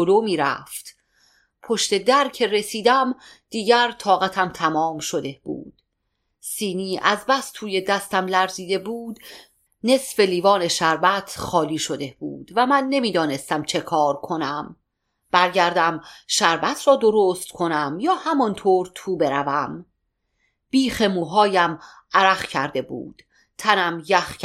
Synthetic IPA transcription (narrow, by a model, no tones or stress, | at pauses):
oloːmiːɾæ̰ft̪ | pʰo̞ʃt̪e̞d̪æɾcʰe̞re̞siːd̪æm | d̪̥iːɟæɾt̪ʰɒːɣæt̪ʰæmt̪ʰæmɒːmʃo̞d̪e̞b̥ṵːd̪̥ | siːniːʔæzbæst̪t̪ʰuːje̞d̪æst̪æmlæɾziːd̪e̞buːd̪ | ne̞sfe̞liːvɒːne̞ʃæɾbæt̪ʰχɒːliːʃo̞d̪e̞bṵːd̪̥væmænːe̞miːd̪ɒːne̞st̪æmt͡ʃʰe̞kʰɒːɾkʰo̞næm | b̥æɾɟæɾd̪æmʃæɾbæt̪ʰɾɒːd̪oɾost̪kʰo̞næmjɒːhæmɒnt̪ʰoːɾt̪ʰuːbe̞ɾævæm | b̥iːxe̞muːɦɒːjæm | æɾæxcʰæɾd̪e̞bṵːd̪̥ | t̪ʰænæmjæx